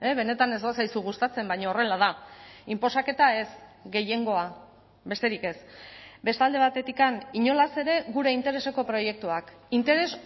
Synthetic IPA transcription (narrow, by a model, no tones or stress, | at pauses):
eβe̞ne̞t̪ane̞zðosajsuɣ̞ust̪at͡se̞mbajɲoːre̞lað̞aimpo̞sake̞t̪ae̞sɡe̞je̞ŋɡo̞a | be̞st̪e̞ɾike̞sbe̞st̪ald̪e̞β̞at̪e̞t̪ikaniɲo̞lase̞ɾe̞ɣuɾe̞int̪e̞ɾe̞se̞ko̞pɾo̞je̞k̚t̪uak | int̪e̞ɾe̞s